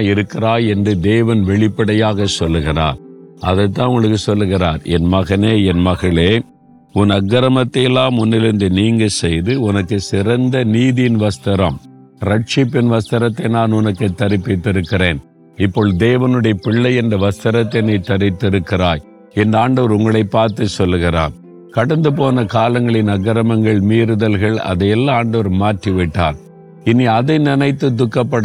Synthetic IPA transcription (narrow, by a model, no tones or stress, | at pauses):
jɪɾɯkːɪraːjɛndrɯd̪eːʋɐnʋɛɭɪpːɐɽɐjaːɣɐsɔlːɯɣɪra̰ːɾɐðɐɪt̪̬ːãːnʊnɐkːɯsɔlːɯɣɪraːɾɛ̰nmɐɣɐneːɛnmɐɣɐɭeː | ʊnɐɡːɐɾɐmɐt̪ːɛlːaːmʊnːɪɾɯnd̪ɯniːŋɡɐsɛjðɯʊnɐkːɯsɪɾɐnd̪ɐniːðɪjɪnʋɐst̪ɐɾɐm | ɾɐʈ̚t͡ʃɪpːɪnʋɐst̪ɐɾɐt̪ːɐnaːnʊnɐkːɐt̪ːɐɾɪpːɪt̪ːɪɾɯkːɪɾeːn | ɪpːoːɭd̪eːʋɐnɯɽɐjɐpɪɭːɐɪɛndrɐʋɐst̪ɐɾɐt̪ːɪnɐɪt̪ːɐɾɪt̪ːɪɾɯkːɪraːj | ɛndaːɳɖɐʋɐɾʊŋɡɐɭɐɪpːaːɾt̪ɯsɔlːɯɣɪɾa̰ːn | kɐɽɐnd̪ɯpoːnɐkaːlɐŋɡɐɭɪnɐɡɐɾɐmɐŋɡɐɭmiːɾɯðɐlɣɐɭɐ̰ðɐjɛlːaaːɳɖɐʋɐɾmaːʈriʋɪʈːa̰ːn | ɪniɐðɐɪnɪnɐɪt̪ːɯd̪ʊkːɐpːɐɽ